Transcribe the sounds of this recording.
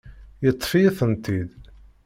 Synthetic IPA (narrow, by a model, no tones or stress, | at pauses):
jət̪ˤːfijəθənt̪id̪